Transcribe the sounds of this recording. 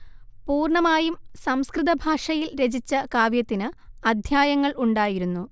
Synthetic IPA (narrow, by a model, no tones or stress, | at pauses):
puːrɳɐmaːjumsɐmskrɨðɐbʱaːʂɐjilɾe̞d͡ʑit͡ɕːɐkaːʋjɐt̪ːinɨɐd̪ʱjaːjɐŋːɐɭuɳɖaːjiɾunːu